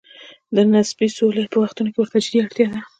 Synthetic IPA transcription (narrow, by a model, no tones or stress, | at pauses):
d̪ənasbisoləjpəwaxt̪unokewəɾt̪ad͡ʒd̪iaɽt̪jɑd̪a